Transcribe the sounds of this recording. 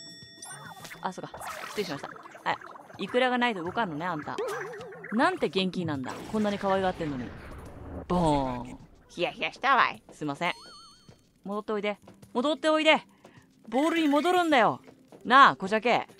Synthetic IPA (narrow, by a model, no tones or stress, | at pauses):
ʔasokːḁsi̥t̪eiɕimaɕit̪aha | ikɯ̟ɾaɡanait̪oɯɡo̞kanːone̞ãnt̪a̰ | nãnt̪e̞ɡẽ̞ŋk̬ʲinãnd̪a̰kõnːaɲ̟ikaβaiɡat̪ːe̞nːo̞ɲ̟ḭ | b̥õ | çijaçiaɕi̥t̪aβa̰ḭsɨmasẽ | mod̪o̞t̪ːe̞o̞id̪e̞mo̞d̪ot̪ːe̞o̞id̪e̞ | bo̞ːɾɯ̟ɲ̟imo̞d̪o̞ɾɯ̟̃nd̪ajo̞ | nako̞ʑakeː